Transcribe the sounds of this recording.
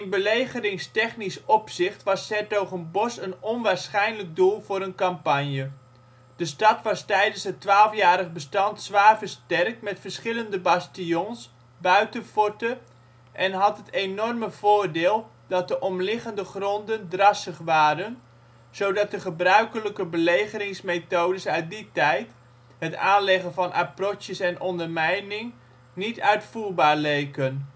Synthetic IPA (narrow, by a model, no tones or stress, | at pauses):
ɪnbəlejχəɾɪŋstɛχnisɔpsɪχtʋɑsɛtoχənbɔsənɔnʋaːɹsχɛjnlək̚dulˠvʊːɾənkɑmpɑnjə | d̥əstɑtʋɑstɛjdənsətʋaːlˠfjaːɾəχbəstɑntsʋaːɹvəɹstɛrk̚tmɛtfəɹsχɪləndəbɑstiɔns | bœɥtəfɔtə | ʔɛnɦɑtɦətejnɔrməv̥ʊːrdɪːlˠ | dɑt̚dəʔɔmlɪχəndəχrɔndəndrɑsəχʋaːɾən | z̥owdɑt̚dəχəbrœɥkələkəbəlejχəɾɪŋsmetowdəsœɥt̚ditɛjt | ɦətaːnlɛχənvɑnʔa̰prɔtjəsɛnʔɔndəɹmɛjnɪŋ | nitœɥtfuːɹbaːɹlejkən